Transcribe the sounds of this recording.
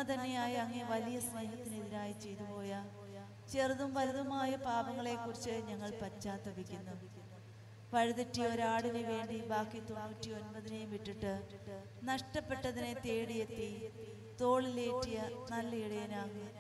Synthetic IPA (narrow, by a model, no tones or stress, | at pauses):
ɐt̪ɐnːejaːjiɐŋːɐneʋɐlijɐsneːɦɐt̪ːinɨeðiɾaːjit͡ɕe̞jt̪upo̞ːja | t͡ɕe̞rðumʋɐɾɐðɐmaːjɐpaːbɐŋːɐɭe̞ːkːurit͡ɕːɨɲɐŋːɐɭpɐt͡ɕːaːt̪ːɐbikʲːunːu | ʋɐɻuðɐʈːijo̞ɾaːɽinɨʋe̞ːɳɖibaːkːit̪o̞nːuːtːio̞nbɐðinejumʋiʈːiʈːɨ | nɐʂʈɐpːe̞ʈːɐðine̞t̪e̞ːɽijet̪ːi | t̪o̞ːɭile̞ːʈːijɐnɐlːɐiɽɐjɐnaːŋ